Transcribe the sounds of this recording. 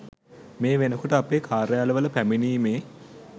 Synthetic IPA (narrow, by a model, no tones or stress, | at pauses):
meːʋenəkoʈəapeːkʰaːɾjaːləʋələpæminiːmeː